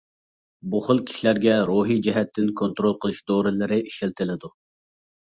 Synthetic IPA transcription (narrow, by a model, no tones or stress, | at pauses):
buχəlˠkʲʰi̥ʃilæɾɡʲɛɾoɦijd͡ʒɛɦɛt̪ʰːɪnkʰont̪ɾolˠqʰəlˠɨʃd̪oɾɨlˠɨɾɨiʃɪlt̪ʰɪlɪd̪u